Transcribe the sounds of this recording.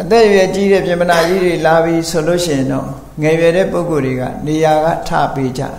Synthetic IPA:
ʔət̪ɛ˦˨jɛ˨t͡ɕi˦ɾɛ˦˨pjɪ̃˨mpəna˨d͡ʑi˦de˨la˨bji˨sʰo˨lo̰˦˨ʃɪ˦˨ɪ̃˨ndɔ̰˦˨ | ŋɛ˨jɛ˨ɾɛ̰˦˨po˦ʊko˨dwe˨ɡa̰˦˨ne˨ja˨ɡä̰˦˨tʰä̰˦˨pe˦d͡ʑa̰˦˨

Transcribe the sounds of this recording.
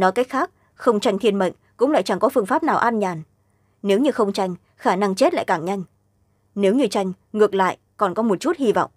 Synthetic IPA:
nɔ˨˦jka˦˥k̚xaː˦˥k̚ | xə˧wŋ͡mt͡ɕa˧jŋ̟t̪ʰi˧ənɓə̰˧˨jŋ̟kʊ̰˧˥ŋ͡mla̰˧˨jt͡ɕa˧˩ŋkɔ˨˦fɨ˧əŋfaː˦˥p̚naː˨˩wʔaː˧nɲaː˨˩n | ne˨˦wɲɨ˧xə˧wŋ͡mt͡ɕa˧jŋ̟ | xaː˧˩na˧ŋt͡ɕe˦˥t̚la̰ː˧˨jkaː˧˩ŋɲa˧jŋ̟ | ne˨˦wɲɨ˧t͡ɕa˧jŋ̟ | ŋɨ˨˩ək̚la̰ː˧˨j | kɔ˨˩nkɔ˨˦mo˨˩t̚t͡ɕu˦˥t̚hi˧vɔ̰˧˨wŋ͡m

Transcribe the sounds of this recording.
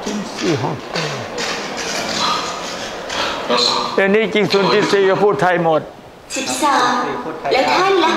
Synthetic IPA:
i˧ŋsiː˧˨˩ɦɔ˧˩ŋt̪e˧˩ | lɛː˧˩niː˥˨t͡ɕi˧ŋsuː˨˦nt̪i˧t̪̚siː˨˩ka˧˩pʰuː˥˩t̪ʰa˧jmo˨˩t̪̚ | si˨˩p̚saː˨˩˦mlɛː˦˥wt̪ʰaː˥˨n˧la˧˥

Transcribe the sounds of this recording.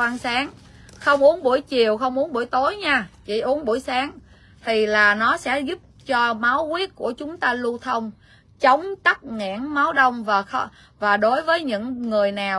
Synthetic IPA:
aː˧nsaː˨˦ŋ | xə˧wŋ͡mʔu˨˦ənɓu˧˩əjt͡ɕi˨˩əwxə˧wŋ͡mʔu˨˦ənɓu˧˩əjt̪o˨˦jɲaː˧t͡ɕi˧˩ʔu˨˦ənɓu˧˩əjsaː˨˦ŋ | t̪ʰi˨˩laː˨˩nɔ˨˦sɛ̰˧˥zu˦˥p̚t͡ɕɔ˧maː˨˦wkwi˦˥ət̚ku˧˩ət͡ɕʊ˨˦ŋ͡mt̪aː˧lu˧t̪ʰə˧wŋ͡m | t͡ɕə˨˦wŋ͡mt̪a˦˥k̚ŋa̰˧˥ənma˨˦wɗə˧wŋ͡mvaː˨˩xə˧ | vaː˨˩ɗo˨˦jvəː˨˦jɲɨ̰˧˥ŋːɨ˨˩əjnaː˨˩w

